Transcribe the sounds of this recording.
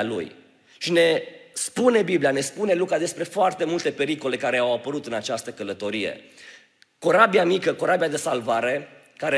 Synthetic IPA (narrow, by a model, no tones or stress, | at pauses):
lṵj | ʃine̞spune̞biblijane̞spune̞lukad̪e̞spɾe̞foart̪e̞mult̪e̞pe̞ɾiko̞le̞kaɾe̞awapəɾut̪ɨnat͡ʃast̪əkələt̪o̞ɾijḛ | ko̞ɾabiamikəko̞ɾabijad̪e̞salvaɾe̞ | kaɾe